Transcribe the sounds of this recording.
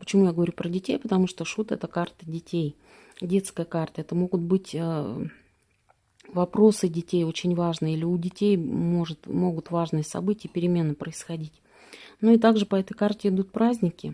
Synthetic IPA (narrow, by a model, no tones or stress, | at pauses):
pə̥t͡ɕɪmujaɡəvɐɾʲupɾədʲɪtʲejpət̪ɐmuʂt̪oʂut̪ɛ̰t̪əkart̪ədʲɪtʲej | dʲe̞t̪skəjəkart̪əɛt̪əmo̞ɡʊt̪̚bɨtʲə | vɐpɾo̞sɨdʲɪtʲejo̞t͡ɕɪnʲvaʐnɨjəilʲɪʊdʲɪtʲejmoʐɨt̪mo̞ɡʊt̪vaʐnɨjəsɐ̰bɨtʲɪjəpʲɪɾʲɪmʲe̞nːəpɾəɪsxɐdʲitʲ | noɪt̪aɡʐɨpɐɛt̪əjkartʲɪɪd̪ut̪̚pɾazʲnʲɪkʲɪ